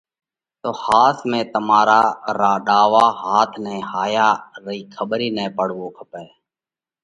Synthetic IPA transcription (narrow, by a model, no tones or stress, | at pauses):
t̪oːhaːt̪ʰmẽːt̪əmaːɾaːɾaːɗaːʋaːɦaːt̪ʰnɛ̃ːhaːjaːɾəiːkʰəɓɾiːnɛːpəɽ̤ʋoːkʰəpɛː